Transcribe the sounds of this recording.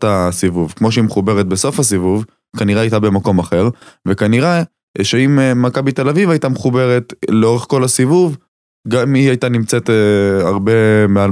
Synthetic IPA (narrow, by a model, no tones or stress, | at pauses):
tasivuvkmo̞ʃeimeχube̞ʁet̪̚beso̞fhas̬ivuv | kaniʁeajt̪abe̞mako̞maχe̞ʁvekaniʁe | ʃeimːakabit̪e̞lavivajt̪ameχube̞ʁet̪leo̞ʁeχko̞lasivuv | ɡamiajt̪animt͡set̪aʁbe̞mea